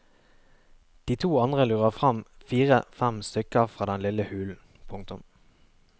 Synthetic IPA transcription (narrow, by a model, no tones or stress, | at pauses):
d̪̥iːt̪ʰuːɑnd̪ʁəlʉːʁəʁfʁɑmfiːʁəfæmst̪ʏkəʁfʁɑːd̪ɛnlɪləhʉːln̩ | pʰʊŋt̪ʊm